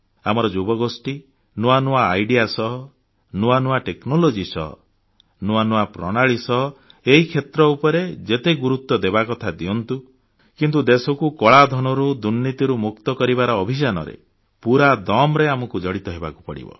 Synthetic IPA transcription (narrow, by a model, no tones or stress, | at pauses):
a̰mɔɾɔd͡ʒubɔɡosʈi | nuanuaːjɖijasɔɦɔ | nuanuaʈeknolod͡ʒisɔ̰ɦɔ̰ | nuanuapɾɔɽ̃aɭisɔɦɔ | eɦikʰet̪ɾɔupɔɾed͡ʒet̪eɡuɾut̪ːɔd̪ebakɔt̪ʰad̪iɔnt̪u | kint̪ud̪esɔkukɔɭad̪ʱɔnɔɾud̪unːit̪iɾumuk̚t̪ɔkɔɾibaɾɔːbʱisanɔ̰ɾḛ | puɾad̪ɔmɾeamɔkud͡ʒɔɽit̪ɔɦeba̰ku̥pɔɽḭbɔ̰